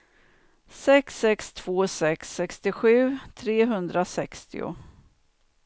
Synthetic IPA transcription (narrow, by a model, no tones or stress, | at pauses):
sɛksɛkst̪ʰv̥oːsɛksɛkst̪ɪɧʉ̟ːt̪ʰɾeːɦɵnd̪ɾasɛkst̪ɪ̰ʊ̰